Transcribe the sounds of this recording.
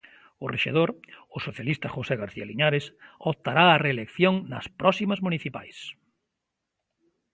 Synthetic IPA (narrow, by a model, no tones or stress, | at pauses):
ʊrḛʃḛð̞oɾʊsoθjalist̪ɐxoseɣaɾθialiɲaɾesopt̪aɾaːreːlekθjoŋnɐ̰spɾɔsimɐzmuniθipa̰js